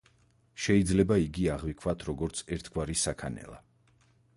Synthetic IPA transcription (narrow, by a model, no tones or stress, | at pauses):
ʃɛid̪zlɛbaiɡiaʁvikʰvat̪ʰɾɔɡɔɾt̪sʰɛɾt̪ʰɡwaɾisakʰanɛ̰lˠa̰